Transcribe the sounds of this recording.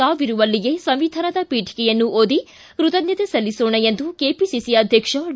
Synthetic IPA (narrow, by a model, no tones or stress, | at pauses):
aːʋiɾuʋɐlːiɡe̞sɐmʋid̪ʱɐɾɐd̪ɐpiːʈʰi̥kɛjɐnːuʔoːd̪i | kɾut̪ɐd̪jɐt̪esɐlːisoːɳɐjend̪ukeːpisisiɐd̪ʱjɐkʂɐ